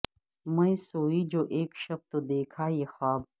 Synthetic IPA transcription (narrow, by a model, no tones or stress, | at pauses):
mɐ̃ĩsoːiːd͡ʒoːʔeːkʃɐb̚t̪od̪eːkʰaːjeːxaːb